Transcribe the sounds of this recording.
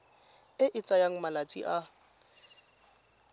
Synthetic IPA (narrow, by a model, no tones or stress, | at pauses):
ɪʔɪt͡sʼajaŋ̩malat͡sʼḭʔa